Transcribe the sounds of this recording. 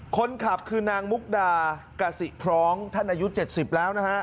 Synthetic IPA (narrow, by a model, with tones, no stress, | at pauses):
kʰo˧nkʰa˨˩p̚kʰɯː˧naː˧ŋmu˦˥k̚daː˧ | ka˧si˨˩pʰɾɔː˦˥ŋt̪ʰa˥˩nʔaː˧ju˦˥t͡ɕe˨˩t̪̚si˨˩p̚lɛː˦˥wna˦˥kʰa˦˥ʔ